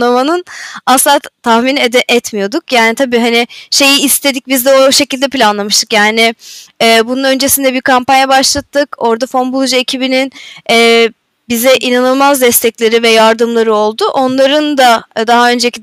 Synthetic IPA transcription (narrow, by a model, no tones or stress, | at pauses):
amanɯnaslˠat̪ʰahminɛd̪ɛʔɛt̪mijo̞d̪ukjaːnit̪ʰabiːɦanɪʃe̞jiːst̪ʰe̞d̪ic̚bizd̪ɛoʃe̞cilʲd̪ɛpilʲanlˠamɯʃt̪ʰɯkjaːnɪɛːbununø̞nd͡ʒe̞sind̪ɛbiɾkampanjabaʃlˠat̪ʰːɯko̞ɾd̪afo̞nbulˠʒecʰibininɛː | bizɛʔinanɯlˠmazd̪ɛst̪ʰɛclʲe̞ɾivɛjaɾd̪ɯmlˠaɾɯo̞lˠd̪ʊʔo̞nlˠaɾɯnd̪ad̪aɦaø̞nd͡ʒeci